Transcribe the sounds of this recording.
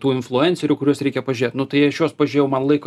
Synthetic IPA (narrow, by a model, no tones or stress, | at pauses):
t̪uːɪnflˠʊɛnʲt͡sʲɛɾʲʊːkʊɾʲuːsɾʲɛɪkʲɛpɐʒʲʊɾʲeːt̪nʊt̪ɐɪɐʃjoːspɐʒʲʊɾʲejɛʊmɐnlˠɐɪko